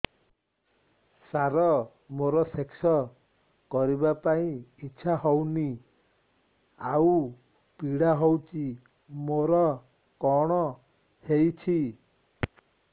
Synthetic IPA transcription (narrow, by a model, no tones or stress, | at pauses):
saɾɔ | moɾɔseksɔ | kɔɾibapaĩiːt͡ʃʰaɦɔwni | awu | piɽaɦɔwt͡ʃi | moɾɔ | kɔɽ̃ɔ | hejt͡ʃʰi